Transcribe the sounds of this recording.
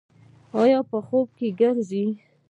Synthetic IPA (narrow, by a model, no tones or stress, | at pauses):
ɑjɑpəxob̚keɡaɾzi